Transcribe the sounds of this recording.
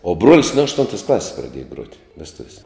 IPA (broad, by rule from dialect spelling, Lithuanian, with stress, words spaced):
oː ˈbruɔlʲɪs nʊ ɐʃˈtʊntɐs ˈklˠɑːsʲɪs prɐˈdʲiɛjɛ ɡruɔtʲ ʋʲɛsˈtʊʋʲiɛsʲ